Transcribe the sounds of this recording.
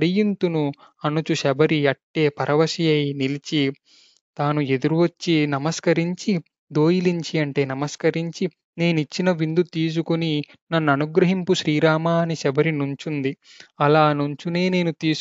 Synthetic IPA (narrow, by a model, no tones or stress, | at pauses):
ɽijint̪unu | ɐnut͡ʃuʃɛbɐɾiɐʈːe̞ːpɐɾʔɐʋɐʃijɐjnilit͡ʃi | t̪aːnue̞d̪uɾuʋɐt͡ʃːinɐmɐskɐɾiɲt͡ʃi | d̪o̞ːjiliɲt͡ʃiɐɳʈe̞ːnɐmɐskɐɾiɲt͡ʃi | ne̞ːnuit͡ʃːinɐʋind̪ut̪iːs̬ukuni | nɐnːuɐnuɡɾɐɦimpuʃɾiːɾaːmaːniʃɛbɐɾinuɲt͡ʃund̪i | ɐlaːnuɲt͡ʃune̞ːne̞ːnut̪iːs